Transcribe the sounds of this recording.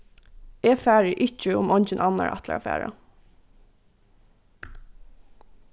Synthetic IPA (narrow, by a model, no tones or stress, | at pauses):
ɛːfæːɹɪʔɪt͡ʃːɪʊmɔɲt͡ʃɪnʔana̰ɹʔa̰t̪la̰ɾa̰fæ̰ːɹa̰